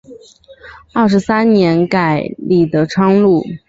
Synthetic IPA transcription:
ɐ˥˩ʂ̬ɻ̩˧˥sa˥nnjɛ˧˥nka˨˩ɪli˥˨˩d̪ə˥ʈ͡ʂʰwɑ˥ŋlu˥˩

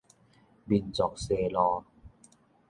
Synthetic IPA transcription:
bi˧˩nt͡sɔː˨˩k̚seː˧˩lɔː˧

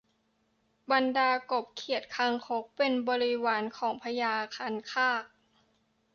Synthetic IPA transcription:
ba˧ndaː˧ko˨˩p̚kʰi˨˩ət̪̚kʰa˧ŋkʰo˦˥k̚pe˧nbɔː˧ɾi˦˥waː˩˦nkʰɔː˩˦ŋpʰa˧jaː˧kʰaː˧nkʰaː˥˩k̚

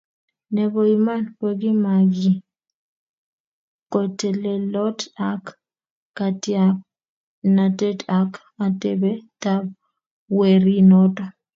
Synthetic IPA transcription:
ne˨bo˨ima˦npoɡi˦maɡɪ | ko˨te˨le˨lɔ˦ta˦kː | atja | na˨te˦ta˨k | a˨tebe˦tab̚ | we˨ɾi˦nɔ˦tɔ˨

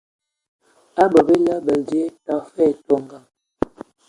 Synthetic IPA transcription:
a˦bə˨be˦la˦bə˨lde˦ta˨˦fɛ˦˨to˨ŋɡa˨ŋ

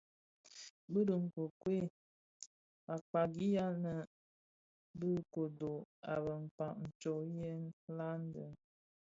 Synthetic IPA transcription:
bə˦ɾə˨ŋ̩˨ko˨kwe˦˨ | a˨k͡pa˨ɡi˦ja˦nə˨ | bə˦ko˨do˨a˨bə˨m̩˨k͡pa˨ʔn̩˨t͡ʃo˨je˦n˦la˦n˦də˨

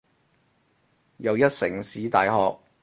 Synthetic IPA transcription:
jɐ˨˧wjɐ˥t̚sɪ˨˩ŋsiː˨˥t̪aː˨jɦɔː˨k̚

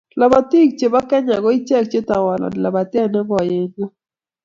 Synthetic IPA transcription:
la˨ba˨ti˦k̚t͡ʃe˨ba˦kɛ˦ɲa˨ɡɔ˦ɪ˦t͡ʃɛ˦˨k̚t͡ʃe˦ta˨wɔ˨lɔ̰˨nɪ˨la˨ba˨tɪ˦ɛ˦˨nɛ˦ɡɔ˨je˦ŋɡo˦

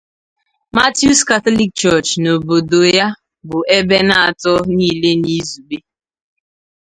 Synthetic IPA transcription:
ma˦tju˦ska˨tɔ˦li˦k̚t͡ʃɔ˦˨t͡ʃno˨bo˨do˨ja˦ | bʊ˨e˦be˦na˦a˨tɔ˦niː˦˨le˦ni˦zu˨be˦

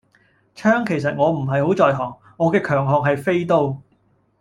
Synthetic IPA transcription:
t͡ʃʰœː˥ŋkʰe˨˩js̬ɐ˨t̚ŋɔː˨˧m̩˨˩ɦɐ˨jho˨˥wt͡sɔː˨jɦɔː˨˩ŋːɔː˨˧kɛː˧kʰœː˨˩ŋɦɔː˨ŋɦɐ˨jfe˥jt̪o˥w

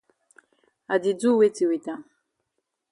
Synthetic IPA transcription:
a˨di˨d͡zu˦we˦ti˨wi˨ta˨˦

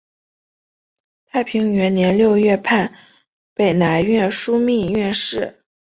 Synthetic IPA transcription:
t̪ʰa˥˩ɪpʰi˧˥ŋɥɛ˧˥nnjɛ˧˥nljo˥˧ʊɥɛ˥˧pʰa˥˩n | pe˨˩ɪna˧˥ɪɥɛ˥˩nʂu˥mi˥˧ɥɛ˥˧nʂɻ̩˥˩

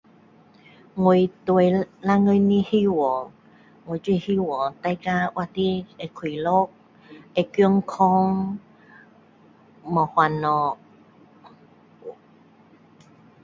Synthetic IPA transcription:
ŋwu˨˧˩t̪we˨la˧˥ŋə˧jni˧hi˧wɔ˨ | ŋwo˨jt͡ɕwi˥˧hi˧wɔ˨˩t̪a˧˦jka˧ʔwʔa˧t̪i˦e˧˨kʰwi˨lo˦k̚ | e˧˨ki˧˦ŋkʰɔ˦ŋ | mɔ˨hwa˨nɔ˨˩

